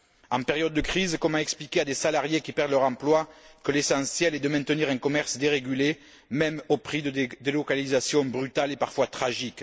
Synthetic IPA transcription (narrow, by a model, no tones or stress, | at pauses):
ɑ̃peʁjɔd̪əːəkχizkɔmaɛksplikead̪esalaʁjekʲipɛʁd̪əlœʁɑ̃mplwakəlesɑ̃sjɛlɛd̪əmɛ̃nt̪əniʁɛ̃ŋkɔmɛʁsd̪eʁeɡyle | mɛmopχid̪əd̪elɔkalizasjɔ̃bʁyt̪alepaʁfwat̪χaʒik